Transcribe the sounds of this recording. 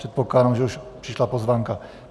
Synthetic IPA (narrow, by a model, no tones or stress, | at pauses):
ɛt̪̚poklaːdamʒɛuʃpr̥ɪʃlapozvaːŋka